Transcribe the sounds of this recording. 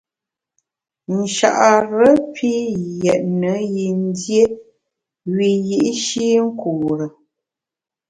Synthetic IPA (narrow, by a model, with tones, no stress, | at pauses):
n̩˨ʃa̰˨ʔa˨ɾə˦pʰi˦jɛ˨ʔ̚nə˨˦ji˨n̩˦dje˦ | ɥi˨ji˦ʔi˦ʃi˦ŋ̩˦kʰuː˨ɾə˨